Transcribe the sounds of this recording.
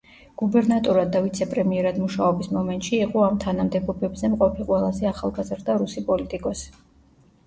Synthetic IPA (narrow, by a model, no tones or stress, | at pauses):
ɡ̥ubɛɾnat̪ʼuɾad̪ːavit̪sʰɛpʼɾɛmiɛɾad̪muʃaɔbismɔmɛnt̪ʼʃiɛqʼɔamt̪ʰanamd̪ɛbɔbɛbzɛmqʼɔpʰiqʼwɛlˠazɛaχalˠɡazɾd̪aɾusipʼɔlit̪ʼikʼɔs